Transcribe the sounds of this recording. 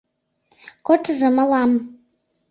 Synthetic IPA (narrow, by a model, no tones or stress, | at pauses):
kʷʼɔtʰzamalam